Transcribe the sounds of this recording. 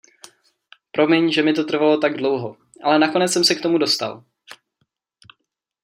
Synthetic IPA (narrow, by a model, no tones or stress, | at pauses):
pɾo̞mɪɲʒɛmɪt̪̬o̞t̪r̩valo̞t̪aɡdlo̞wɦo | ʔalɛnako̞nɛt͡ssɛmsɛkt̪o̞mudo̞st̪a̰l